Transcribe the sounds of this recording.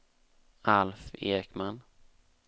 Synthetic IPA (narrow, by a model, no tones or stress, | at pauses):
alfeːɾɪkman